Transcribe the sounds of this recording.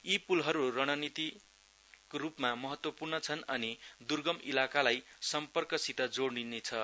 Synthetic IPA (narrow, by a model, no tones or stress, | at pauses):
ipulɦʌɾurʌɽ̃ʌnit̪i | koɾupmamʌɦʌt̪wʌpurnʌt͡sʰʌnʌnid̪urɡʌmilakalajsʌmpʌrkʌsit̪ʌd͡zoɽninːet͡sʰʌ